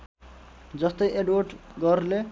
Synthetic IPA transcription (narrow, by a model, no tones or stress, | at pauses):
d͡zʌst̪ʌjʔeɖwoʈɡʌrle